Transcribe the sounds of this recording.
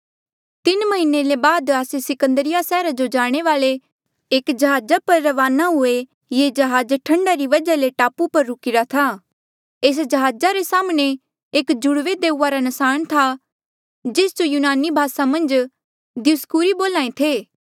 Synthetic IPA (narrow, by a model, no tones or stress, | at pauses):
t̪ɪnmɐɦɪnelebaːd̪aːsesɪkə̃nd̪əɾɪjasɛːɾad͡ʒod͡ʒaːɽ̃eʋaːɭe | eːkd͡ʒɐɦaːd͡ʒapɐɾːɐʋaːnaɦʊe | jed͡ʒɐɦaːd͡ʒʈʰɐ̃ɳɖaɾiʋɐd͡ʒaleʈaːpupɐɾːʊkɪɾat̪ʰaː | eːs̬d͡ʒɐɦaːd͡ʒaɾesaːmɽ̃e | eːkd͡ʒʊɽʋed̪eːuːaɾanɐsaːɽ̃t̪ʰa | d͡ʒeːsd͡ʒojuːnaːnibʱaːsamɐ̃nd͡ʒ | d̪ɪʊskuːɾiboːlãːẽt̪ʰeː